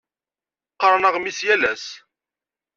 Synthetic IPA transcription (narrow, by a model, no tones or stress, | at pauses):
qːəɾˤnəʁmisjælæs